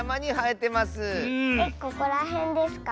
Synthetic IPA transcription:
amaɲ̟ihaet̪e̞masɨkekːoko̞ɾaɦẽ̞nd̪e̞sɨ̥ka

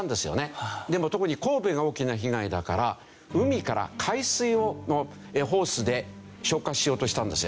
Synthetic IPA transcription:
nd̪e̞sɨjo̞̰ne̞d̪e̞mo̞t̪o̞kɯ̟ɲ̟iko̞ːbeɡao̞ːkʲinaçiɡaid̪akaɾa | ɯ̟mʲikaɾa̰kʰaisɨiono | eɦo̞ːsɨd̪e̞ | ɕo̞ːkaɕijo̞ːt̪oɕi̥t̪ãnd̪e̞sɨjo

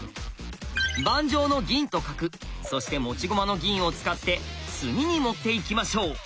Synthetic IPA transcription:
bãɲ̟d͡ʑo̞ːno̞ɡʲĩnt̪o̞kakɯ̟so̞ɕi̥t̪e̞mo̞t͡ɕiɡo̞mano̞ɡʲĩɰ̃o̞t͡sɨ̥kat̪ːe̞t͡sɨɲ̟iɲ̟imo̞t̪ːe̞ikʲimaɕo̞ː

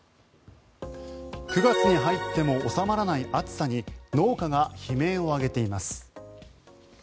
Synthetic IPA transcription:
kɯ̟ɡat͡sɨɲ̟iɦait̪ːe̞mo̞ːsamaɾanaiʔat͡sɨ̥saɲ̟ino̞ːkaɡaçime̞ːo̞aɡe̞t̪e̞imasɨ̥

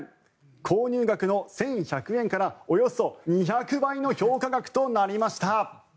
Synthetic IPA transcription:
kʰoːɲ̟ɨːɡakɯ̟no̞sẽ̞ɰ̃çakɯ̟ẽ̞ŋkaɾao̞jo̞so̞ɲ̟içakɯ̟baino̞ço̞ːkaɡakɯ̟̥t̪o̞naɾʲimaɕi̥t̪a

